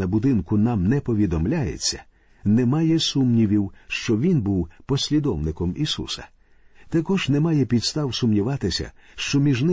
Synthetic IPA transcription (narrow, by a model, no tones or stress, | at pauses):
ɐbʊd̪ɪnkʊnɑmnɛpɔʋʲid̪ɔmlʲajḛt͡sʲːɐ̰ | nɛmaɑjɛsumnʲiʋʲiwʃt͡ʃɔʋʲinbuwpɔsʲlʲid̪ɔwnɪkɔmisṵsɐ̥̰ | t̪ɐkɔʒnɛmɑjɛpʲid̪st̪ɑwsʊmnʲiʋɑt̪ɪsʲɐ̰ʃt͡ʃɔmʲiʒnɪ